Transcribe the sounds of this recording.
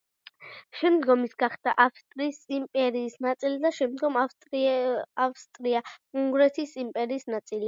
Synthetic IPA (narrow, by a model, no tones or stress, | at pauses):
ʃɛmd̪ɡɔmisɡaχd̪aʔafst̪ʼɾiːsimpʼɛɾiːsnat̪sʼilid̪aʃɛmd̪ɡɔmfʼ | afst̪ʼɾiauŋɡɾɛt̪ʰisimpʼɛɾiːsnat̪sʼili